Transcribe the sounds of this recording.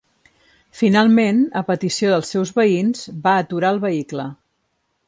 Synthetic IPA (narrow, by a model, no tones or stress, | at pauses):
finalˠmenəpət̪isioðəlˠsːɛwzβəinzbaːt̪uɾaəlˠβəiklə